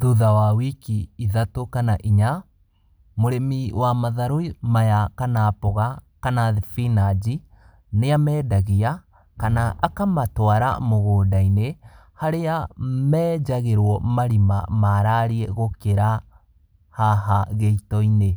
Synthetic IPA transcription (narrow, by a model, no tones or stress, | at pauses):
ðuðawawikiiðatokanaʔiɲa | moɾemiwʔamaðaɾoimajakanapɔɣakanaðefinad͡ʒi | neamɛːdaɣia | kanaʔakamatwaɾa̰moɣoːdaine | haɾeamɛːd͡ʒaɣeɾwɔmaɾima̰maɾaɾiɛɣokeɾa | haɦaɣeitɔine